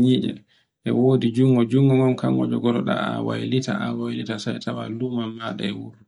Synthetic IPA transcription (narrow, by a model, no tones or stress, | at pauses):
ɲid͡ʒɛ̰ | ɗɛ̰woːdid͡ʒuŋɡɔd͡ʒuŋɡɔŋɔnkaŋɡɔd͡ʒɔɡɔɗɔɗa̰awajlitaʔawajlitasajtʰawalumamːaɗɛɛwuɾ